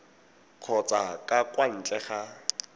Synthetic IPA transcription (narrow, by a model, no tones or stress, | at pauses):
q͡χʰɔt͡sʼakʼakʼwan̩t͡ɬʼɛχa